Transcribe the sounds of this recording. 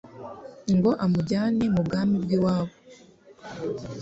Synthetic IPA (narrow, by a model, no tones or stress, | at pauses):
ŋɡo̞ʔamuɟaːne̞mub̚ɡaːmibɡiwaːβo